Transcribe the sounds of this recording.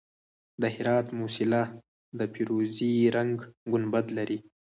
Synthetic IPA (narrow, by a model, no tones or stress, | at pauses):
d̪əhɪɾɑt̪musɪla | d̪əpʰiɾoziɾaŋɡɡʊnbad̪laɾi